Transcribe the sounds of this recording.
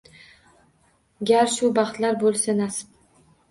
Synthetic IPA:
ɡʲaɾʃʊbɑχt̪laɾbolˠsanasɪ̥p̚

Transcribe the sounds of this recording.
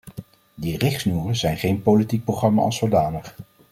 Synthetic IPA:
dirɪχsnuːrəzɛjnχejnpolitik̚prowχrɑma̰ɑ̰sowdaːnəχ

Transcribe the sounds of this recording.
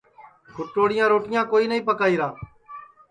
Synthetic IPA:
kʊʈoːɽɪjãːɾoːʈɪjãːkoːiːnəĩːpəkaːiːɾaː

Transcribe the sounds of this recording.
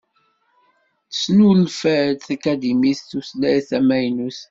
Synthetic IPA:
θə̥snulfæɾθækæd̪imist̪uslæjθæmæjnuθ

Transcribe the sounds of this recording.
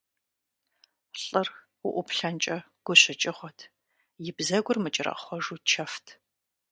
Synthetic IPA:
ɬʼɨr | ʊʔʷʊpɬɐnt͡ʃʼɐ | ɡ̥ʷʊɕɪt͡ʃʼɪχʷɔtʰ | jɪbzɐɡʷʊrmɨt͡ʃʼɪrɐ̰χʷɔʐuːt͡ʃʰɐftʰ

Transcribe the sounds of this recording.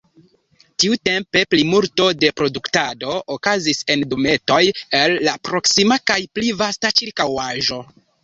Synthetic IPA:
tiute̞mpe̞plimulto̞de̞pɾo̞duktado̞ʔːkazise̞ndome̞to̞je̞lːapɾo̞ksimakajplivastat͡ʃiɾkawaʒo̞

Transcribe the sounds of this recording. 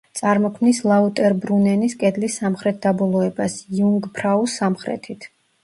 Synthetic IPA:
t̪sʼaɾmɔkʰmnislˠaut̪ʼɛɾbɾunɛniskʼɛd̪lisːamχɾɛt̪̚ʰd̪abɔlˠɔɛbasjuŋɡpʰɾausːamχɾɛ̰t̪ʰit̪ʰ

